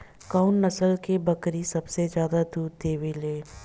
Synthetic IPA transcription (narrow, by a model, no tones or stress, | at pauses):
kaːʊnːɐsəlkebɐkɾisɐbsezjaːd̪ad̪uːd̪d̪eːʋeleː